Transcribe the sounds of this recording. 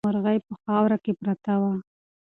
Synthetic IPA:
aɾɣajpəxɑwɾakepɾat̪awa

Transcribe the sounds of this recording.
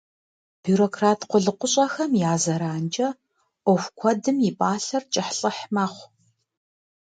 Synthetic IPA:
b̥uɾokʰraːtʰqʷʊɮɨqʷʊɕʼɐxɐmjaːzɐɾaːnd͡ʒʼɐ | ʔʷɔxʷkʷʰɔdɨmjɪpʼaːɬɐrt͡ʃʼɪħɬʼɨħmaːχʷ

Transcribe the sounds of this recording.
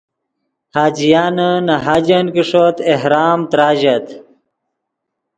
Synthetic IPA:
haːd͡ʑijaːnənɐɦaːd͡ʑɐnkiʂot̪eɦɾaːmt̪ɾaːʑɐt̪

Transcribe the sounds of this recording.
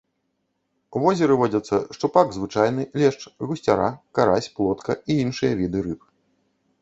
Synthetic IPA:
uvɔzʲɛɾɨvɔd͡zʲɐt̪sːɐʂt̪upaɡzvɨt͡ʂajn̪ɨlʲɛʂt͡ʂɣusʲt͡sʲaɾa̰kaɾasʲplˠɔt̪kɐiinʂɨjɐvʲid̪ɨɾɨp

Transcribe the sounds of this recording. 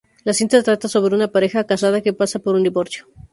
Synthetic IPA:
lasint̪at̪ɾat̪aso̞βɾe̞unapaɾe̞xakasaðake̞pasapo̞ɾund̪iβo̞ɾsjo̞

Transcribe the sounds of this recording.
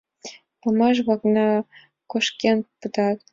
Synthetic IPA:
pɑmɑʃ̬βɑknɑ | koʃkʲenpɨ̆t̪ɑt̪̚

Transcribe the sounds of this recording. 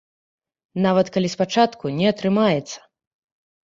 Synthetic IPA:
navɐt̪kalʲispat͡ʂat̪kunʲɛɐt̪ɾɨmajɛt̪sːɐ̥

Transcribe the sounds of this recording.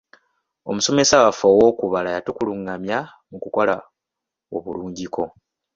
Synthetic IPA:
o̞̰muso̞me̞sawafowo̞kuβalajatukuluŋːamja | mukuko̞la | oβuluːɲɟiko̞

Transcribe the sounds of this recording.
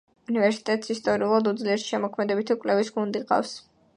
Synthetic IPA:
univɛɾsi̥t̪ʼɛt̪ʼsist̪ʼɔɾiulˠad̪ud̪zliɛɾt̪ʃɛmɔkʰmɛd̪ɛbit̪ʰikʼlɛvisɡund̪iqʼa̰fs

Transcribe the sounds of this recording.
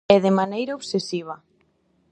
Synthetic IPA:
ɛðemanejɾaoβsesiβ̞ɐ

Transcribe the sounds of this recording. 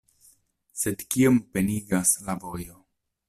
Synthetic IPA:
se̞dkiompe̞niɡaslavo̞jo̞

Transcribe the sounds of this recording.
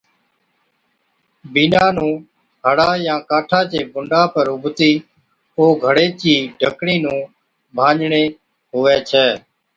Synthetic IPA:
biːnaːnũː | ɦəɽaːjãːkaːʈʰaːt͡ʃeːbʊɳɖaːpəɾʊbʱt̪iː | oːɡʱəɽeːt͡ʃiːɖʱəkɽiːnũː | bʱãːɲd͡ʒɳeː | ɦʊʋeːt͡ʃʰɛː

